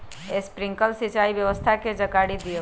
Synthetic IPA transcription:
espɾɪ̃ŋkəlsɪt͡ʃaːiʋjəʋəst̪ʰaked͡ʒəkaɽid̪ije

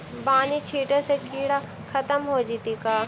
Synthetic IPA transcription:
baːnit͡ʃʰiːʈəsekiːɽa | kʰɐt̪əmɦoːd͡ʒit̪ikaː

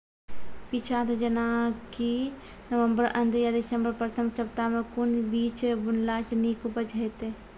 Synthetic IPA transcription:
pit͡ʃʰat̪d͡ʒənaki | nəʋə̃mbəɾʔənd̪ʱjad̪ɪsəmbəɾpɾət̪ʰəmsəbt̪amẽkʊnbiːt͡ʃbʊnlasenikubəd͡ʒɦɛt̪e

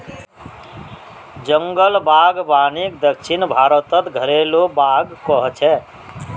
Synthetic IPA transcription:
d͡ʒəŋɡəlbaɡbaːnik̚d̪əkʃʰinbʱaːɾət̪ət̪ɡʱəɾelobaːɡkɔɦt͡ʃʰɛ

